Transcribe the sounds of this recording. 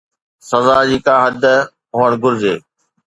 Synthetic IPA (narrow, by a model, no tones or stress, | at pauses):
sɐzaːd͡ʑiːkaːɦɐd̪ | ʊəɽ̃ɡʊɾd͡ʑeː